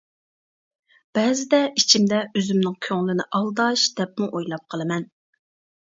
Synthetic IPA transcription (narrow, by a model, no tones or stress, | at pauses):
b̥ɛːzɪd̪ɛit͡ʃʰimd̪ɛøzymnɪŋkʲʰøŋlɪnɪʔɑlˠd̪ɑʃd̪̥ɛp̚muʔojlˠɑp̚qʰəlˠɨmɛn